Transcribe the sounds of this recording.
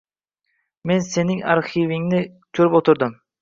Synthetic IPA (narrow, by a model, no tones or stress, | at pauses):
me̞nse̞nɪŋa̰ɾχivɪŋnɪ | t͡ʃʰuɾypot̪ʰʊɾd̪ʊm